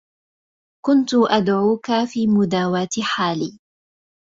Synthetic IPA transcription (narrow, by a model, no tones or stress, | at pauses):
kʊnt̪ʊʔad̪ʕuːkafiːmʊd̪aːwaːt̪ħaːliː